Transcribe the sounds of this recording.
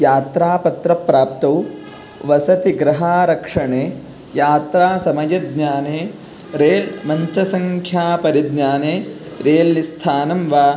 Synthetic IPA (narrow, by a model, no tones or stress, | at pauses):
jaːt̪ɾaːpɐt̪ɾɐpɾaːp̚t̪ɐw | ʋɐsɐt̪iɡɾɐɦaːɾɐkʂɐɳeː | jaːt̪ɾaːsɐmɐjɐd̪ɲaːneː | ɾeːlmɐɲt͡ʃɐsɐŋkʰjaːpɐɾid̪ɲaːneː | ɾeːlːist̪ʰaːnɐmʋaː